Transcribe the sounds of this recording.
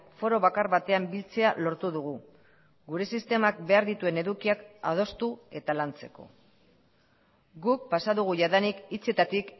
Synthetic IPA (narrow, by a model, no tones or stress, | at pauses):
fo̞ɾo̞βakaɾβat̪e̞ambilt͡se̞alo̞ɾt̪uðuɣu | ɡuɾe̞sist̪e̞mak̚be̞aɾðit̪ue̞ne̞ðukiaka̰ð̞o̞st̪ue̞t̪alant͡se̞̥ko̞̰ | ɡuk̚pasaðuɣ̞uʝaðanikit͡se̞t̪at̪ik